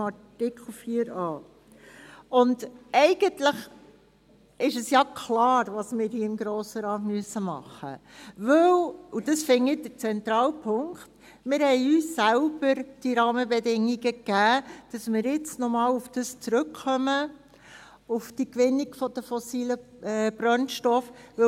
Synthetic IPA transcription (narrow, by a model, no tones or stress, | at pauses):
ɑtɪkχl̩ˠfiːəɾɑː | ʊndɛɪɡənt̪ləχ | ɪʃəsjɑkʰlɑːɾʋɑsmɪːɾhiəɪmɡɾɔːsəɾɑːtmyəsːəmɑ̰χːə̰ʋɵwud̥əsfɪŋɪdəɾt͡sɛnt̪ɾɑːlpʰʊŋkχt | mɪːɾhɛɪyːsːælb̥əɾd̥iɾɑːməbɛdɪŋːiɡəkæːd̥ɑsmɪːɾjɪt͡snɔmɑːlufd̥əst͡sɾɵkχœmə | ufd̥ikʋɪnːiɡfɔd̥əfɔsiːlə | ɛb̥ɾœnʃtɔfʋɵ